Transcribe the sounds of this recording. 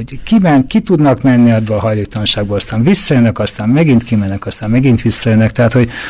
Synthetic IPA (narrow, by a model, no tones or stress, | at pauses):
okimɛnkit̪ud̪nɒkmɛnːiɒbːølɒɦɒjleːkt̪ɒlɒnʃaːɡ̚boːlɒst̪aːnɱvisːɒjønːɛkɒst̪aːmmɛɡint̪kimɛnːɛkɒst̪aːmmɛɡint̪ʋisːɒjønːɛkt̪ɛɦaːt̪ho̞ɟ